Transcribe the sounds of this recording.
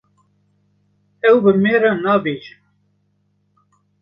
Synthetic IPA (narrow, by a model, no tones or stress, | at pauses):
ɛwbɨmeːɾɑnɑːbeːʒɨ